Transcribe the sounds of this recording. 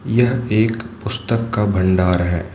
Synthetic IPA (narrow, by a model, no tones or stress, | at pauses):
jɐɦeːkpʊst̪əkːabʱɐ̃ɳɖaːɾɦɛ̰ː